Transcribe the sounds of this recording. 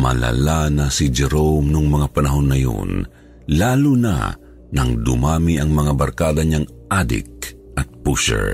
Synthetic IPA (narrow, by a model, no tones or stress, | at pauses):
mɐ̰la̰lanasid͡ʒɛɾomnʊŋmɐŋapɐnɐɦo̞nːɐjo̰n | laːluna̰ | nɐŋd̪ʊ̰maːmiʔɐŋmɐŋabɐɾkaːd̪ɐɲaŋ | ʔad̪ɪ̰k̚ | ʔɐt̪̚puʃɛ̰ɹ